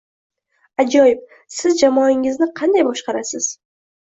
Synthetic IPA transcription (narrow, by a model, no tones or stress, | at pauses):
ad͡ʒɒjɪp̚ | sɪzd͡ʒamɒɪŋɪznɪqʰɑnd̪ajbɒʃqɑɾasɪz̥